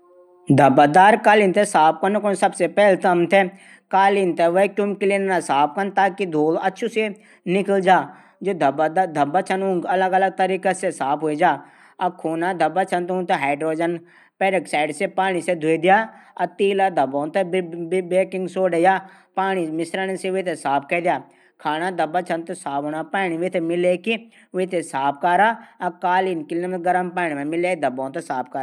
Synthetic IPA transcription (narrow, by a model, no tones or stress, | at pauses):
d̪ʱɐbad̪aːɾkaːlint̪esaːp̚kɐnkonsɐbsepɛːlt̪ɐmt̪ʰe | kaːlint̪eʋəikjʊmkɪlennasaːp̚ʰkənt̪aːkid̪ʱoːlɐtːʃʰuse | nɪkəld͡ʒaː | d͡ʒoːd̪ʱbd̪d̪ʱɐbat͡ʃʰɐnũŋɡɐləɡɐləɡ̚t̪əɾiːkasesaːpʰɦoid͡ʒaː | ɐb̚kʰuːnad̪ʱɐbat͡ʃʰɐnt̪ũnt̪eɦaːɪɖɾoːd͡ʒən | peɾeksaːɪɖsepaːñised̪ʱuid̪ijaːɐt̪iːlad̪ʱɐbõːnt̪ɐbeːkɪ̃ŋɡsoːɖejaː | paːñimɪsɾənseʋit̪ʰesaːp̚ʰkɐd̪ijaː | kʰaːnad̪ɐbat͡ʃʰɐnt̪ɐsaːpoːnapaːñiʋit̪ʰemɪleki | ʋit̪ʰesaːp̚ʰkaːɾaːɐkaːliːnkɪlemɡɐɾəmpaːñimẽmɪleːkd̪ʱɐbõːnt̪ɐsaːp̚ʰkaːɾa